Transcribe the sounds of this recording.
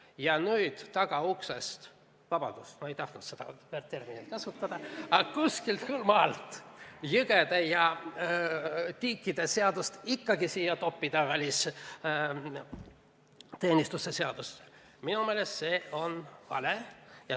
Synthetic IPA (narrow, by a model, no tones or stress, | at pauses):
jɑnyːd̪̥t̪ɑɡ̥ɑuksest̪ | vɑb̥ɑd̪̥ust̪moe̞jt̪ɑht̪nud̪se̞d̪̥ɑ̰peːrt̪t̪e̞rminilt̪̚kɑsut̪ːˑɑd̪̥ɑɑkusʲkilt̪kylmɑːlt̪ˑjɯɡ̥ed̪̥ejɑ | t̪iːkːid̪e̞se̞ɑd̪ust̪ikːɑɡisiːjɑt̪o̞pːid̪̥ɑvælʲis | t̪e̞ːnist̪usese̞ɑd̪̥ust̪ | minumeːlesse̞ːo̞nvɑ̰lejɑ